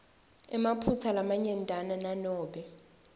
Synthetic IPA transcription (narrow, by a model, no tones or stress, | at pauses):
ɛmapʰut͡sʰalamaɲɛntʼanananɔːɓɛ